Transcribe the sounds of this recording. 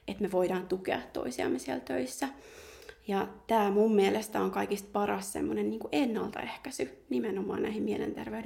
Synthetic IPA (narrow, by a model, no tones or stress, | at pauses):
et̪meʋoidɑːnt̪ukeɑt̪ːo̰isiɑ̰mːesielt̪øisːæ | jɑt̪æːmumːielest̪æoŋkɑikist̪̚pɑrɑssḛmːonenniːŋkuʔenːɑ̰lt̪ɑ̰ehkæsynimenomɑ̰ːnæ̰ihimielḛnt̪ḛrʋeyɾ